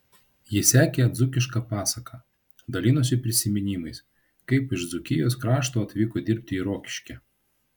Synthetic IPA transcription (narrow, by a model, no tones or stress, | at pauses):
jɪsʲæːkʲeːd̪zʊkʲɪʃkɑpɑːsɐkʰɐ | d̪ɐlʲiːnʊsʲɪpʲɾʲɪsʲɪmʲɪnʲiːˑmɐɪs | kɐɪpɪʃd̪zʊkʲɪjoːskɾɑːʃt̪oːɐt̪ʲʋʲiːkod̪ʲɪɾʲp̚ʲt̪ʲɪiːɾoːkʲɪ̥ʃʲkʲɛ